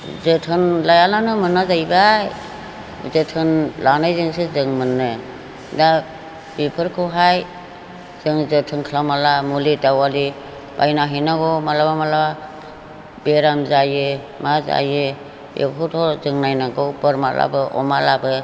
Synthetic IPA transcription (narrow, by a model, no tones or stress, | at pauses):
zɯtʰɯnlajalanɯmɯnːazajbaj | zɯtʰɯnlanajzɯŋsɯzɯŋmɯnːɯ | da | b̥ipʰɯɾkʰɯwɦaj | z̥ɯŋzɯtʰɯnkʰlamalamulidawali | b̥a̰jnaɦɯjnaɡɔmalabamala | beɾamzajɯ | maza̰jɯ | ḛkkʰutʰɔzɯŋnajnaɡɔbɔɾma̰la̰bɯʔɔ̰malabɯ